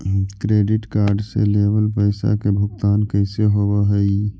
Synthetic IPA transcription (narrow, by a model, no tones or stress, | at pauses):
kɾeɖiʈkaɾɖsḛlebəlpəɪsa̰kebʱʊkt̪aːnkəɪseɦobəɦəj